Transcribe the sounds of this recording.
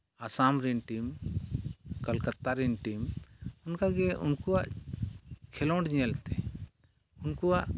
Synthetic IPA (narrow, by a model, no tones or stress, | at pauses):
asamɾɛnʈim | kəlkət̪ːaɾɛnʈimunkaɡɛṵnkuwaʔ | kʰɛlɔɳɖd͡ʒĩɛlt̪ɛ | unkuwaʔ